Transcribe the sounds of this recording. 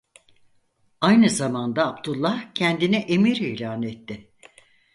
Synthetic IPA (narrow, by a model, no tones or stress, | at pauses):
ajnɯzamand̪aːbd̪ulˠːahcʰɛnd̪inɛʔemiɾilʲaːnɛt̪ʰːɪ